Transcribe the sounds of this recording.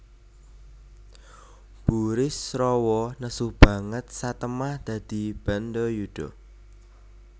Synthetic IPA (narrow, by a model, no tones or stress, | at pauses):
b̥uɾɪsrɔwɔnəsuhb̥ä̤ŋət̪̚sat̪əmahd̪̥ä̤d̪̥i̤b̥and̪ɔjuɖ̥ɔ